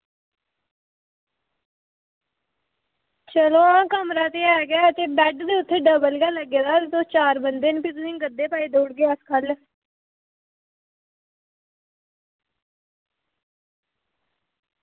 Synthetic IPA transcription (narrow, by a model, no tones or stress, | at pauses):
t͡ʃəloːãːkəmɾaːt̪eːɛːɡɪaːt̪eːbɛːɖd̪eːʊt̪ʰːeːɖəbəlɡaːləɡeːd̪aːt̪et̪oːt͡ʃaːɾbənd̪eːnpit̪ʊnĩːŋɡəd̪ːeːpaːiːd̪oːɽɡejːəskʰəl